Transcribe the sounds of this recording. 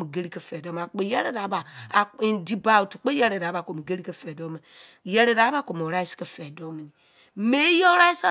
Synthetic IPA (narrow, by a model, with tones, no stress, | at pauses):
mi˨ɡe˦ɾi˦ke˦fɛ˨do˦m˨a˨k͡pe˨jɛ˦ɾe˦˨ɾa˨˦ba˨ | di˨ba˨wu˨tu˨k͡pe˦jɛ˦ɾe˨ɾa˨˦ba˨ko˨mi˨ɡe˦ɾi˦ke˦fɛ˨do˦me˨ | jɛ˦ɾe˨ɾa˨˦ba˦˨ko˨m˨o˨ɾa˦i˦ske˦fɛ˨do˦mi˨ni˨ | me˦jo˦ɾa˦i˦sa˦